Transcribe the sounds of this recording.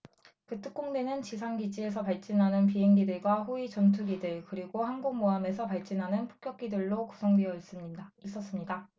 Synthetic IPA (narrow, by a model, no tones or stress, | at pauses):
kɯt͈ʰɯk͈̚oŋdwe̞nɯnt͡ɕisʰaŋɡid͡ʑie̞sʰʌpaɭt͡ɕ͈inɦanɯnp̬iɦeŋɡidɯɭɡwaɸuit͡ɕʌntʰuɡidɯɭkɯɾiɡohanɡoŋmoame̞sʰʌpaɭt͡ɕ͈inɦanɯnpʰo̥k͈jʌk̚k͈idɯɭːokusʰʌŋdwejʌis͈ɯmɲidais͈ʌs͈ɯmɲida